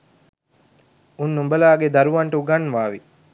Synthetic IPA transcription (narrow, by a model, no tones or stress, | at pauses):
unːumbɐlaːɡed̪ɐɾuʋɐɳʈəuɡanːʋaːʋi